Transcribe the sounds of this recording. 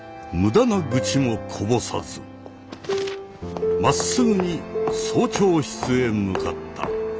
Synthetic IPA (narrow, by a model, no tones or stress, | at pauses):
mɯ̟d̪anaɡɯ̟t͡ɕimo̞kʰo̞bo̞sa̰zɨ | masɨɡɯ̟ɲ̟isoːt͡ɕo̞ːçi̥t͡sɨe̞mɯka̰t̪ːa̰